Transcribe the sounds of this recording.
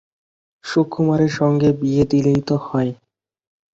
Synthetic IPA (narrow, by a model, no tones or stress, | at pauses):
ʃukʰːumaɾeɾʃɔŋɡebied̪ilejt̪ohɔe